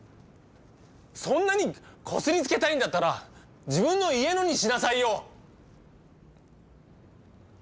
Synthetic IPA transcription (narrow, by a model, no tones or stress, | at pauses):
sõ̞nːaɲ̟ikʰo̞sɨɾʲit͡sɨ̥ke̞t̪aĩnd̪at̪ːaɾa | d͡ʑibɯ̟̃nːo̞ie̞no̞ɲ̟iɕinasaijo̞